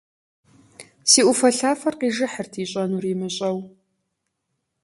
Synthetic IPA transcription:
siːʔʷʊfɐɬaːfɐrqiːʒɨħərtʰiːɕʼɐnuriːmɨɕʼɐw

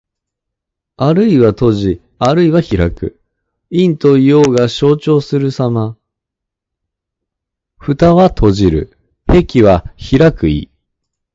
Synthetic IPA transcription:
aɾɯ̟iβat̪o̞ʑi | aɾɯ̟iβaçiɾakɯ̟ | ĩnt̪o̞ijoːɡaɕo̞ːt͡ɕo̞ːsɨɾɯ̟sama | ɸɯ̟t̪aβat̪ʰo̞ʑiɾɯ̟̰ | he̞kʲiβaçiɾakɯ̟ḭ

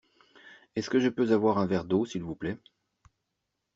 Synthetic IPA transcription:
ɛskəʒəpøzavwaʁɛ̃vɛʁd̪osilvuplɛ

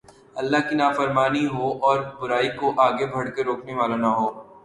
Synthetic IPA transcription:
ɐlːaɦkinaːfəɾmaːniɦoʔɔːɾbʊɾaːikoʔaːɡebʱɐɽkeɾoːkneʋaːlanɐɦoː

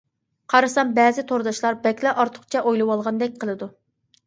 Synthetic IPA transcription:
qʰɑɾɨsɑnbɛːzɪt̪ʰoɾd̪ɑʃlˠɑɾbɛkʲlɛʔɑɾt̪ʰʊ̥χt͡ʃʰɛʔojlˠɨwɑlˠʁɑnd̪ɛk̚ʲqʰəlˠɨd̪u

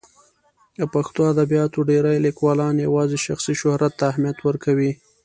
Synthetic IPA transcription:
d̪əpaxt̪oad̪abijɑt̪oɖeɾajlikwɑlɑnjawɑzeʃaxsiʃʊhɾat̪ːaːɦmjat̪wəɾkawi

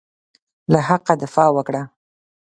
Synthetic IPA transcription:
lahaqad̪ɪfɑwəkɽa

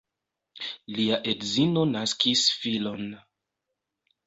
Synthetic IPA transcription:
liaʔedzino̞naskisfilo̞n

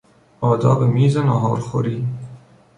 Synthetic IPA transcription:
ɒːd̪ɒːbemiːzenɒːɦɒːɾxoɾiː

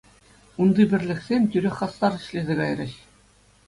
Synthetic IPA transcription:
und̪ɯbʲɘ̆rʲlʲɘ̆ksʲemʲt̪ʲyɾʲeχɑst̪ɑɾɘ̆ɕlʲezʲeɡɑjrʲɘ̆ɕ

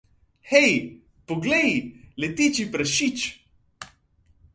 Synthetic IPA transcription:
xɛj | poɡlɛjlɛt̪it͡ʃipɾɐʃit͡ʃ

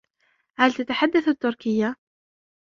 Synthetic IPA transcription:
hælt̪at̪aħad̪ːaθat̪ːʊɾkɪjːa

